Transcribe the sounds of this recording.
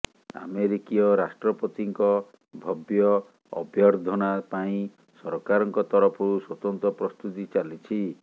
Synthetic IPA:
a̰meɾikiɔɾasʈɾɔpɔt̪iŋkɔ | bʱɔbjɔ | ɔ̰bjɔɾd̪ʱɔnapaĩ | sɔɾɔkaɾɔŋkɔt̪ɔɾɔpʰɔɾuswɔt̪ɔnt̪ɔpɾɔst̪ut̪it͡ʃalit͡ʃʰi

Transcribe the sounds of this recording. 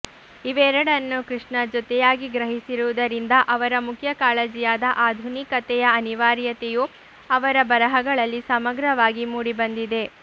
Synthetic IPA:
iʋɛːɾɐɽɐnːukɾiʂɳɐd͡ʒɔt̪ɛjaːɡiɡɾɐɦisiɾuʋud̪ɐɾind̪ɐʔɐʋɐɾɐmukʰjɐkaːɭed͡ʒijaːd̪ɐʔaːd̪ʱunikɐt̪ɛjɐɐniʋaːɾjɐt̪eju | ɐʋɐɾɐbɐɾɐɦɐɡɐɭɐlːisɐmɐɡɾɐʋaːɡimuːɽibɐnd̪id̪e̞

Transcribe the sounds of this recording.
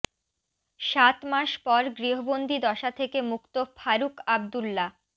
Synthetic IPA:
ʃat̪maʃpɔɾɡɾiɦobond̪ʱid̪ɔʃat̪ʰekemukt̪ofʰaɾukab̚d̪ulːa

